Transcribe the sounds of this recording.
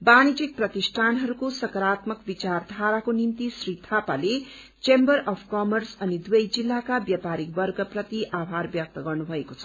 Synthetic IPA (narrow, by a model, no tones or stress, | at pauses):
banid͡zik̚prʌt̪isʈʰanɦʌɾukosʌkʌɾat̪mʌkbit͡sard̪ʱaɾakonimt̪isrit̪ʰapale | t͡sembʌɾʌpʰkʌmʌrsʌnid̪ujʌjd͡zilːakabjapaɾik̚bʌrɡʌprʌt̪iʔabʱarbjʌk̚t̪ʌɡʌrnubʱʌekot͡sʰʌ̥